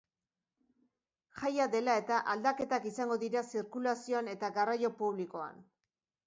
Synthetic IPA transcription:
ʝajaðe̞lae̞t̪aʔald̪ake̞t̪akisaŋɡo̞ðiɾasiɾkulasio̞ane̞t̪aɣarajo̞puβ̞liko̞a̰n

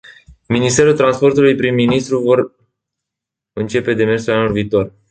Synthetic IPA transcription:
minist̪e̞ɾult̪ɾanspo̞rt̪ulujpɾimːinist̪ɾuvo̞r | ɨnt͡ʃe̞pe̞d̪e̞me̞rsulanulviːt̪o̞r

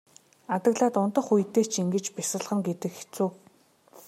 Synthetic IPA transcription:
at̪ə̆ɣɮaːt̪ʊnt̪ə̆χuj̆t̪eːt͡ɕʰiŋɡɘ̆t͡ɕpisə̆ɮχə̆ŋɡet̪ɘ̆kxe̥t͡suː

